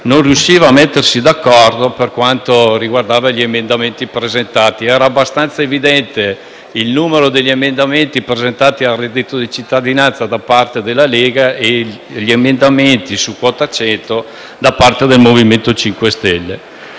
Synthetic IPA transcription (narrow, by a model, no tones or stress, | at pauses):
nonrjuʃːiːvaːmet̪ːersid̪akːɔrd̪operkwant̪oriɡward̪aːvaʎiemend̪ament̪ipɾezent̪aːt̪iɛːɾaːbːast̪ant̪saevid̪ɛnt̪e | ilnuːmeɾod̪eʎːiemend̪ament̪ipɾezent̪aːt̪ialrɛd̪ːit̪od̪it͡ʃit̪ːad̪inant̪sad̪apart̪ed̪elːaleːɡae | ʎiemend̪ament̪isukwɔːt̪at͡ʃɛnt̪o | d̪apart̪ed̪elmoviment̪ot͡ʃiŋkwest̪ɛlːe